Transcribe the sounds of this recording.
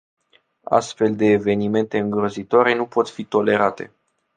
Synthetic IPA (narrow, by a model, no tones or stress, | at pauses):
a̰st̪fe̞ld̪e̞ːve̞nime̞nt̪e̞ɨŋɡɾozit̪oaɾe̞nupo̞t̪fit̪o̞le̞ɾat̪e̞̰